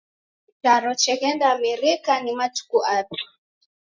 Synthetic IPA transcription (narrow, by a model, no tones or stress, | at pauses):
taɾɔt͡ʃɛɣɛndamiɾikanimatu̥kuʔata